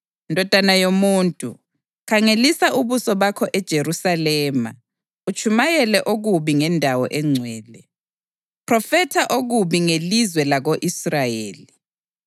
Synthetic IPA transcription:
indʱɔd̥ʱanajomuːntʼṵ | kʰaŋelisaʔuβusɔβakʰɔʔɛd̥ʒ̥ʱerusalɛːma̰ | ut͡ʃʰʼumajɛlɛʔoɣuβiŋɛndʱawɔʔɛŋ͡ǀʱwɛːlɛ | pʰrɔfɛtʰaʔoɣuβiŋelizwɛlaɣoʔisrajeːli

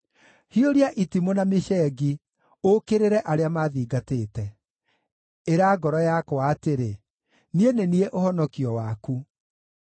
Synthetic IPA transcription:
hioɾiaʔitimonameʃɛːɡi | okeɾeɾɛʔaɾeamaðiːɡateːtɛ | eɾaːɡɔɾɔjakwaːteɾe | nienenieʔohɔnɔkiɔwaku

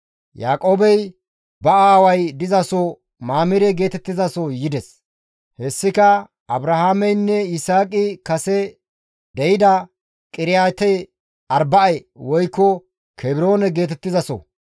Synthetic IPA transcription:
jaːkʼoːbɛj | bɐaːwɐjd̪ɪzɐsɔ | maːmɪɾɛɡe̞ːt̪ɛt̪ːɪzɐsɔjɪd̪ɛs | hɛsːɪkɐ | ɐbɾɐhaːmɛjnːɛɪsaːkʼɪkɐsɛ | d̪ɛjɪd̪ɐ | kʼɪɾɪjaːt̪ɛ | ɐɾbɐɐjwɔjkːɔ | kʰɛbɪɾo̞ːnɛɡe̞ːt̪ɛt̪ːɪzɐsɔ̰

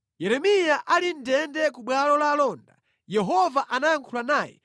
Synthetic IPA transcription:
jɛɾɛmijaʔalindɛndɛkuɓwalɔlalɔːnda̰ | jɛɦɔvaʔanaaŋkʰulanaːjɛ̰

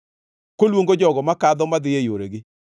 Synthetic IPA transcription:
kolwoŋɡod͡ʒɔɡɔmakad̪ɔmad̪ɪjejoɾeɡɪ

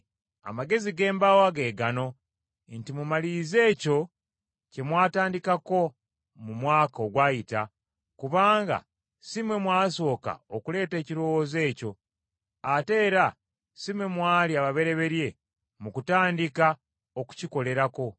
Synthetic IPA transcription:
a̰maɡe̞ziɡe̞ːmbawaɡe̞ːɡano̞ | ntimumalize̞ːco̞ | ce̞mwaːtaːndikako̞ | mumwaːkao̞ɡwaːjita | kuβaːŋɡa̰ | simwe̞mwaːso̞ːka̰okule̞ːte̞ːciɾo̞woze̞ːco̞ | ate̞ːɾa | simwe̞mwaːliaβaβe̞ɾe̞βe̞ɾje̞ | mukutaːndika | o̞ku̥ciko̞le̞ɾako̞

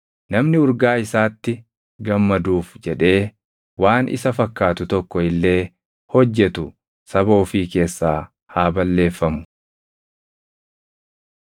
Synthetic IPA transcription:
nɐmnɪʊɾɡaːɪsaːt̪ːɪ | ɡɐmːɐd̪uːfd͡ʒɛᶑe̞ː | waːnʔɪ̰sɐfɐkːaːt̪ʊt̪ɔkːɔɪlːe̞ː | hɔd͡ʒːɛt̪ʊ | sɐbo̞ːfiːke̞ːsːaː | haːbɐlːe̞ːfːɐmʊ̥

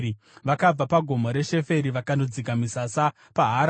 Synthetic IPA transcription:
ʋakab͡vapaɡʱo̞moɾe̞ʃe̞fe̞ɾiʋakandod͡zikamisasa | paɦaɾ

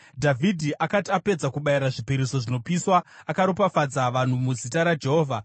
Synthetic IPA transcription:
dʱavʱidʱiʔakatiape̞d͡zakuɓajiɾaʐipiɾiso̞ʐino̞piswaːkaɾopafad͡zaʋan̤umuzitaɾad͡ʒe̞ɦoːvʱa

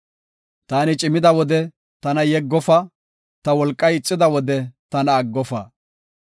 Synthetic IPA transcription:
t̪aːnɪt͡ʃʼɪmɪd̪ɐwɔd̪ɛ | t̪ɐnɐjɛɡːɔfɐ | t̪ɐwɔlkʼːɐjɪt͡sʼːɪd̪ɐwɔd̪ɛt̪ɐnɐːɡːɔfɐ

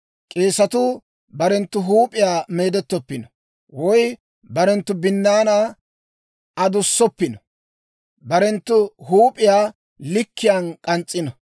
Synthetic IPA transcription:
kʼe̞ːsɐt̪ʊ | bɐɾɛnt̪ːʊɦuːpʼɪjaːme̞ːd̪ɛt̪ːɔpːɪnɔ | wɔj | bɐɾɛnt̪ːʊbɪnːaːna | ɐd̪ʊsːɔpːɪnɔ̥ | bɐɾɛnt̪ːʊhuːpʼɪjaː | lɪkːɪjankʼɐnt͡sʼːɪnɔ

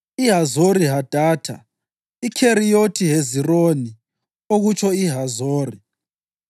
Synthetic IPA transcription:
iɦazoɾiɦad̥ʱaːtʰa̰ | ikʰeɾijotʰiɦezironi | oɣut͡ʃʰɔiɦazoːri

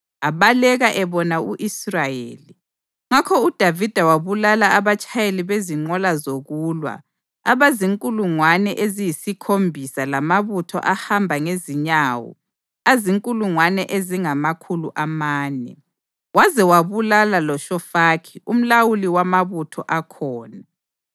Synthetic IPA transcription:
aβalɛɣaʔɛβɔnauʔisrajḛːli | ŋakʰɔud̥ʱavid̥ʱawaβulalaːβat͡ʃʰʼajeliβeziŋ͡ǃɔlazoɣuːlwa̰ | aβaziŋkʼuluŋwanɛʔezijisikʰombʱisalamaβutʰɔ̰ʔahambʱaŋeziɲaːwɔ̰ | aziŋkʼuluŋwanɛʔeziŋamakʰuluʔamaːnɛ̰ | wazɛwaβulalalɔʃɔfakʰium̩lawuliwamaβutʰɔʔakʰɔːna

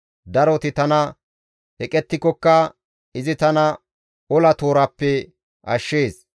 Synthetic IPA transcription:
d̪ɐɾɔt̪ɪt̪ɐnɐ | hɛkʼɛt̪ːɪkːɔkːɐ | ɪzɪt̪ɐnɐ | ɔlɐt̪o̞ːɾɐpːɛ | ʔɐʃːe̞ːs

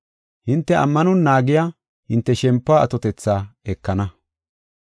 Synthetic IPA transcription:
hɪnt̪ːɛʔɐ̰mːɐnʊnːaːɡɪja | hɪnt̪ːɛʃɛmpːaːɐt̪ɔt̪ɛt͡sːaːɛkːɐnɐ

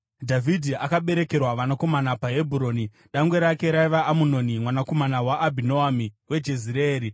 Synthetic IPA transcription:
dʱavʱidʱiʔakaɓe̞ɾe̞ke̞rwaʋanako̞manapaɦe̞bʱuɾo̞ːni | ɗaŋɡwe̞ɾake̞ɾaiʋaʔːmuno̞nimwanako̞manawaʔːbʱinoamiwe̞d͡ʒe̞ziɾeeːɾi

